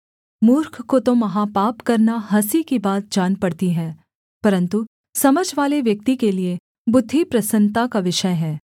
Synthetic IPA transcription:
muːɾkʰkot̪omɐɦapaːpkɐɾnaɦɐsikibaːt̪̚d͡ʒaːnpɐɽt̪iɦɛ̃ː | pɐɾə̃nt̪u | sɐməd͡ʒʱʋaːleʋjɐk̚t̪ikelie | bʊd̪ʱːipɾɐsə̃nt̪akaʋɪʃəjɦɛː

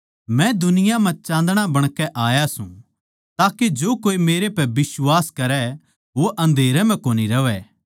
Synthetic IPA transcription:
mɛ̃d̪ʊnɪjamɛ̃t͡ʃãːnd̪ɽ̃abɐɽ̃kɛʔaːjasṵ̃ | t̪aːked͡ʒoːkoːimeːɾepɛbɪswaːskɐɾɛ | ʋoʔɐ̃nd̪ʱeːɾɛmɛ̃koːniɾɐʋɛ

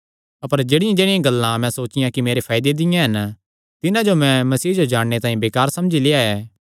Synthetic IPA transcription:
ɐpəɾd͡ʒeːɽɪjãd͡ʒeːɽɪjãɡɐlːãmɛ̃soːt͡ʃɪjãkimeːɾepʰaːɪd̪ed̪ɪjãɦɐn | t̪ɪnãd͡ʒomɛ̃mɐsiːd͡ʒod͡ʒaːɽɽet̪ãːĩbeːkaːɾsɐmd͡ʒileːaɛː

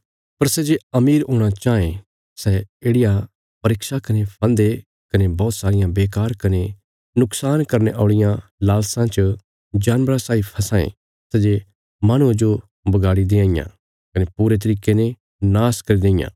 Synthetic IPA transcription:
pɐɾsɛd͡ʒeɐmiːɾɦoːɽ̃at͡ʃaːẽ | sɛeːɽɪja | pɐɾɪkʃakɐnepʰɐ̃nd̪e | kɐnebɔːt̪saːɾɪjãbeːkaːɾkɐne | nʊksaːnkɐɾneʔaːɽɪjãlaːlsãt͡ʃə | d͡ʒaːnʋɾãsaːipʰɐsãːḛ̃ | sɛd͡ʒe | maɽ̃ũẽd͡ʒo | bɐɡaːɽid̪eãːɪ̃jã̰ | kɐnepuːɾet̪̬ɐɾiːkenẽ | naːskɐɾid̪ẽːɪ̃jã̰

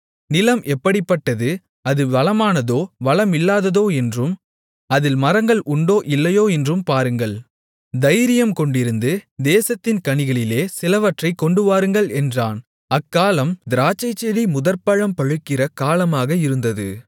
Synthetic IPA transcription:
nɪlɐmʔɛpːɐɽɪpːɐʈːɐðɯ | ɐðɯʋɐlɐmaːnɐðoːʋɐlɐmɪlːaːðɐðoːɛndrɯm | ɐðɪlmɐɾɐŋɡɐɭʔʊɳɖoːʔɪlːɐjoːɛndrɯmpaːɾɯŋɡɐɭ | d̪ɐɪɾɪjɐmkɔɳɖɪɾɯnd̪ɯd̪eːsɐt̪ːɪnkɐɳɪɣɐɭɪleːsɪlɐʋɐʈrɐɪkːɔɳɖɯʋaːɾɯŋɡɐɭɛndraːn | ɐkːaːlɐmd̪ɪɾaːt͡ʃːɐɪt͡ʃːɐɽimʊðɐɾpɐɻɐmpɐɻɯkːɪrɐkaːlɐmaːɣɐɪɾɯnd̪ɐðɯ̰

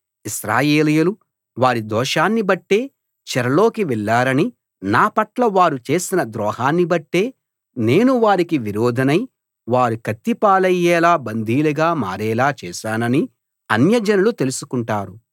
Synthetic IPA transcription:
iʃɾaːjeːlɐjɐlu | ʋaːɾid̪ɔːʃaːnːibɐʈːe̞ː | t͡ʃɛɾɐlo̞ːkiʋɛɭːaːɾɐni | naːpɐʈlɐʋaːɾut͡ʃe̞ːsinɐd̪ɾɔːhaːnːibɐʈːe̞ː | ne̞ːnuʋaːɾikiʋiɾɔːd̪ʱɐnɐj | ʋaːɾukɐt̪ːipaːlɐjɛːlaːbɐnd̪ʱiːlɐɡaːma̰ːɾɛːlaːt͡ʃɛːʃaːnɐni | ɐnjɐd͡ʒɐnɐlut̪e̞lusukuɳʈaːɾu

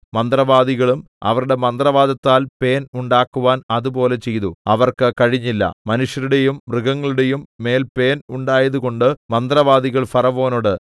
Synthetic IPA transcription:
mɐnd̪rɐʋaːd̪iɣɐɭum | ɐ̰ʋɐɾuɽe̞mɐnd̪rɐʋaːd̪ɐt̪ːaːlpe̞ːnuɳɖaːkːuʋaːnɐðupo̞ːle̞t͡ɕe̞jðuɐʋɐrkɨkɐɻiɲːilːɐ̰mɐnuʂjɐɾuɽe̞jumːrɨɣɐŋːɐɭuɽe̞jumːe̞ːlpe̞ːnuɳɖaːjɐðuɣo̞ɳɖɨmɐnd̪rɐʋaːd̪iɣɐɭfɐrɐʋo̞ːnoɽɨ

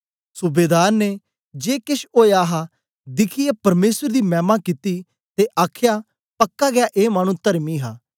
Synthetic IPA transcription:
sʊbeːd̪aːɾne | d͡ʒeːkɪʃoːjaːɦaː | d̪ɪkʰɪjaːpɐɾmeːsəɾd̪iːmɛ̃ːmaːkit̪iː | t̪eʔaːkʰjaː | pəkːaːɡɪaːʔeːmaːñũːt̪əɾmiːɦaː

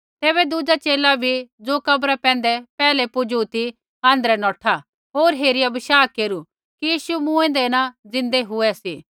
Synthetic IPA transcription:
t̪eːβɛd̪ʊd͡ʒat͡ʃeːlabʱid͡zoːkɐbɾapɛ̃ːn̆d̪ɛpɛːlepʊd͡ʒut̪i | ãːnd̪əɾɛnɔːʈʰa | ɦoːɾɦeːɾɪjabɪʃaːkeːɾu | kijiːʃumũɛ̃ːnd̪enãd͡zɪ̃nd̪eɦʊɛsiː

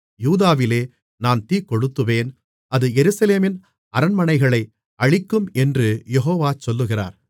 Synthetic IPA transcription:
juːðaːʋɪleː | naːnt̪iːkɔɽɯt̪ːɯʋeːn | ɐðɯjɛɾɯsɐleːmɪn | ɐɾɐnmɐɳɐɪɣɐɭɐɪ | ɐɻɪkːɯmɛndrɯjɛɦoːʋaːt͡ʃɔlːɯɣɪra̰ːɾ

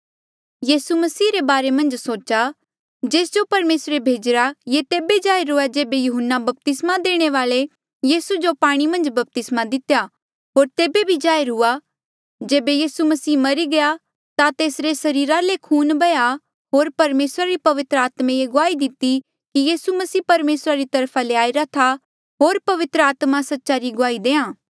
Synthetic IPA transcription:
jiːsumɐsiːɾebaːɾemɐ̃nd͡ʒsoːt͡ʃa | d͡ʒeːsd͡ʒopɐɾmeːsɾebʱeːd͡ʒɾajet̪eːbed͡ʒaːeɾɦʊad͡ʒeːbejʊɦənːabɐp̚t̪ɪsmad̪eːɽ̃eʋaːle | jiːsud͡ʒopaːɽ̃imɐ̃nd͡ʒbɐp̚t̪ɪsmad̪ɪt̪ja | ɦoːɾt̪eːbebʱid͡ʒaːeɾɦʊa | d͡ʒeːbejiːsumɐsiːmɐɾiɡɐja | t̪at̪eːsɾesɐɾiːɾalekʰuːnbɐja | ɦoːɾpɐɾmeːsɾaɾipɐʋɪt̪ɾəaːt̪mẽjeɡʊaːid̪ɪt̪i | kijiːsumɐsiːpɐɾmeːsɾaɾit̪ɐɾpʰaleaːiɾat̪ʰa | ɦoːɾpɐʋɪt̪ɾəaːt̪mãsɐtːʃaɾiɡʊaːid̪ẽːãː

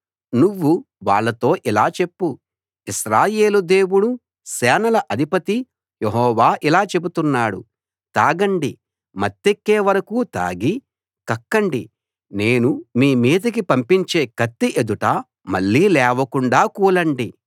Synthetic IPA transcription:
nuʋːu | ʋaːɭːɐt̪o̞ːʔilaːt͡ʃe̞pːu | iʃɾaːje̞ːlud̪eːwuɽu | sɛːnɐlɐʔɐd̪ʱipɐt̪i | jeɦɔːʋaːʔilaːt͡ʃe̞but̪unːaːɽṵ | t̪aːɡɐɳɖi | mɐt̪ːekːeːʋɐɾɐkuːt̪a̰ːɡi | kɐkːɐɳɖḭ | ne̞ːnumiːmiːd̪ɐk̬ipɐmpiɲt͡ʃe̞ːkɐt̪ːiʔed̪uʈɐː | mɐ̰ɭːiːlɛːʋɐkuɳɖaːkuːlɐɳɖi

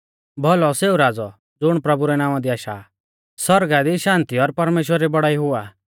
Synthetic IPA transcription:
bʱɔlɔseːuɾaːd͡zɔ | d͡zʊɽ̃pɾɐbuɾɛnãːw̃ãd̪iaːʃa̰ | sɔɾɡad̪iʃãːnt̪iɔɾpɐɾmeːʃwəɾibɐɽaːiɦʊaː

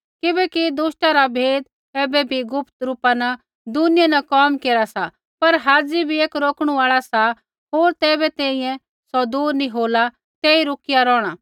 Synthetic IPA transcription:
kɪbɛːkid̪uːsʈaɾabʱeːd̪ | ɛːbɛbʱiɡʊpt̪ɾuːpanɐ | d̪ʊnɪjãnɐkɔːmkeːɾasa | pɐɾɦaːd͡zibʱieːkɾoːkɽ̃uaːɭasa | ɦoːɾt̪ɛːbɛt̪ɛːĩjɛ̃ | sɔd̪uːɾnĩɦoːla | t̪ɛːiɾʊkɪjaɾɔːɽ̃aː

